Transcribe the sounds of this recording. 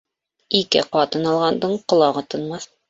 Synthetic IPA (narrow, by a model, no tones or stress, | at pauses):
ikɘ̰qɑt̪ɤnɑlˠʁɑnd̪ɤɴqŏlˠɑʁɤt̪ŏnmɑθ